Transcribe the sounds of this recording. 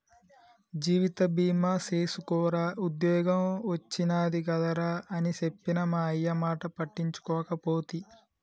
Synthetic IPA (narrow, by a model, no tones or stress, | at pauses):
d͡ʒiːʋit̪ɐbiːmaːseːsukɔːɾaːud̪jɔːɡɐmʋɐt͡ʃːinaːd̪iɡɐd̪ɐɾaːʔɐnisepːinɐmaːɐjːɐmaːʈɐpɐʈːiɲt͡ʃu̥kɔːkɐpoːt̪i